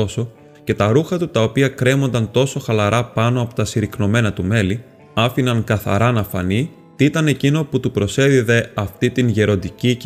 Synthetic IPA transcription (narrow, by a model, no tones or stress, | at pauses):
o̞so̞ | ce̞t̪ɐɾuxɐt̪ut̪ɐo̞piɐkɾe̞mo̞nd̪ɐnt̪o̞so̞xɐlɐɾʔɐpɐno̞ɐpo̞̥t̪ɐsiɾikno̞me̞nɐt̪ume̞li | ɐfinɐŋkɐθɐ̰ɾɐnɐfɐ̰ni | t̪it̪ɐne̞cino̞put̪upɾo̞se̞ðiðe̞ɐft̪it̪inʝe̞ɾo̞nd̪ici